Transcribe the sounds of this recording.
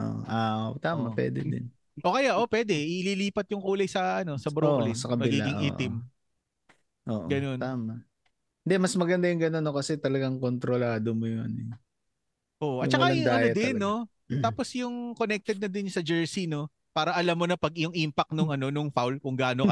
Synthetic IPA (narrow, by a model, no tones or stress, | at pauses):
ʔo̰ːʔo̰ʔaot̪aːmɐpwɛ̰ːd̪ɛ̰d̪ɪ̰n | ʔo̞kɐjaʔo̞pwɛːd̪ɛʔɪliliːpɐt̪̚jʊŋkuːlɐjsɐʔɐno̞sɐbɾoʔlɪsɐkɐbmɐɪlɡiːaɡɪŋʔiːtʔ̪ɪm | ʔo̰ːʔɡɐno̞nt̪aːmɐ | hɪnd̪ɛmɐsmɐɡɐnd̪ajʊŋɡɐno̞nːokɐsɛt̪ɐlɐɡaŋkont̪ɾolaːd̪omojʊŋɐ̰noj | ʔoʔoʔɐt͡ʃɐaɐjɪd̪aɐjoɐtd̪ɛnːo̞ | t̪aːpo̞sjʊŋko̞nɛk̚t̪ɛd̪̚nɐd̪ɪnsɐd͡ʒɛɹsino̞ | paːɾɐʔɐlamːonɐpɐɡ̚ʔʊŋʔiːmpɐk̚nʊŋɐno̞nʊŋfawlkʊŋɡaːnokɐ